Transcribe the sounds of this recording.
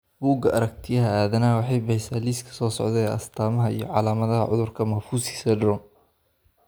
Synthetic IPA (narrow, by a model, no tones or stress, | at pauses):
buːɡɐɐɾɐk̚t̪ʰɪjɐɦɐaːðɐnɐwɑħɑjbɐhɛsaːliːskʰɐ̥sɔːsɔ̰ʕðɛɐ̰st̪ʰaːmɐɦɐijɞʕɑlaːmɐðɐɦɐʕʊ̰ðʊrkʰɐmɐfuːsi̥ːsɐd̪rɔm